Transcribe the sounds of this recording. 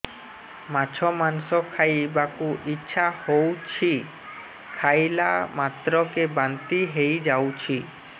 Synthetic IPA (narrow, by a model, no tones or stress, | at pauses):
mat͡ɕʰɔmansɔkʰajbakuʔitːɕʃʰahowt͡ʃʰi | kʰajla̰mat̪ɾɔkebant̪iɦejd͡ʒawt͡ʃʰi